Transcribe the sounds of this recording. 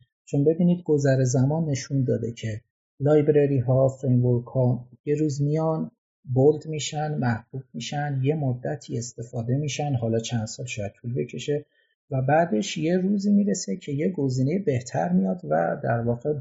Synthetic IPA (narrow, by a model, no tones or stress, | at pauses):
t͡ʃʰonbe̞biːniːd̪ɡo̞zæɾezæmɒnːe̞ʃund̪ɒːd̪e̞cʰe̞ | lɒːjbɾeɾiːɦɒːfɾe̞jmvoɾkhɒje̞ɾuːzmijɒn | bold̪miːʃænmæhb̥ub̥̚miʃænd̪je̞mod̪ːæt̪ʰiːe̞st̪e̞fɒːd̪e̞miːʃænɦɒːlɒːt͡ʃʰænd̪̥sɒːlʃɒːjæd̪̥̚t̪ʰulbe̞cʰe̞ʃe̞ | væbæːd̪e̞ʃje̞ɾuːziːmiːɾe̞se̞cʰe̞je̞ɡo̞ziːne̞jebe̞ht̪ʰæ̰ɾmijɒːd̪væ̰d̪æɾvɒːɣe